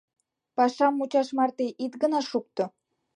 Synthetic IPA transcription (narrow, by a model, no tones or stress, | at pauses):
pɑʃɑmːut͡ɕɑʃmɑrt̪eʔit̪ɡə̆nɑʃuk̚t̪ŏ